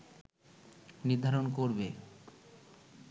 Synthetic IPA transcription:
niɾd̪ʱaɾonkoɾbe

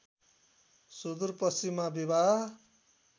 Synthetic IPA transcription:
sud̪uɾpʌsimːabibʱaɦ

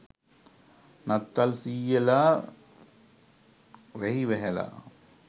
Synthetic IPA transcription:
nat̪ːalsiːela | ʋɛɦiʋɛɦɛla̰

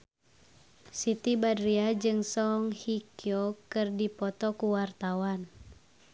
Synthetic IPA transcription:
sit̪ibadɾiad͡ʒɨŋsɔŋhikjɔkɨrdipɔt̪ɔkuwart̪awan

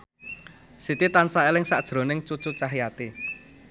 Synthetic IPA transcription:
sit̪it̪ansaelɪŋsaʔd̥ʒ̥ɾo̤nɪŋt͡ʃut͡ʃut͡ʃaɦijat̪i

